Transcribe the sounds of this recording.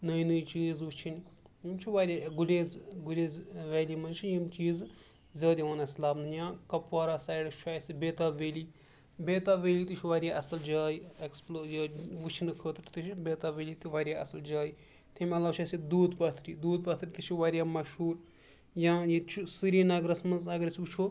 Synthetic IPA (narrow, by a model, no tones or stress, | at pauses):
nɐinɨjt͡ʃiːzʋut͡ʃʰin | jimt͡ʃʰiʋaːɾʲjaːɡulʲeːzɡulʲeːzʋeːliːmɐnt͡ʃʰijimt͡ʃiːz | zʲɐːd̪iʋɐnɐslaːbnɨjãːkɐpʋaːɾaːsaːjɽɨʃʰaːjsibeːt̪aːʋeːliː | beːt̪aːʋeːliːt̪ɨt͡ʃʰiʋaːɾʲjaːʔɐsɐld͡ʒaːjieksplojɐʋɨt͡ʃʰinɨkʰəːt̪ʈt̪ɨʃibeːt̪aːʋeːliːt̪iʋaːɾʲjaːʔɐsɐld͡ʒaːji | t̪ʰemɐlaːʃʰaːjsid̪uːd̪pɐt̪ʰɾiːd̪uːd̪̚pɐt̪ʰɾit̪iʃʰuʋaːɾijaːmɐʃɦuːɾ | jãːjit͡ʃʰusɨɾiːnɐɡɾɐsmɐnzɐɡɾisʲut͡ʃʰu